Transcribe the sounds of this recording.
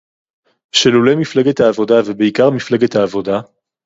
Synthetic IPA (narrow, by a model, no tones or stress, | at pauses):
ʃelulemifleɡet̪haːvo̞davebeikaʁmifleɡet̪haːvo̞da